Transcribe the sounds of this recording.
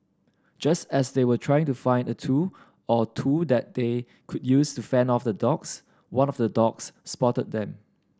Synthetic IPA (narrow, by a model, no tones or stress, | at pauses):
d͡ʒastɛsdewətʰɹajɪ̃ŋtufãɪ̃ndətʰu | ɔtʰudɛt̚de | kʰud̚justufɛ̃nɔfdədɔks | wãnɔvdədɔksːpɔtət̚dɛ̃m